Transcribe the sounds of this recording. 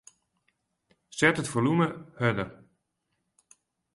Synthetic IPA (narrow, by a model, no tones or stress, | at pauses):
sɛtətfoluməhødər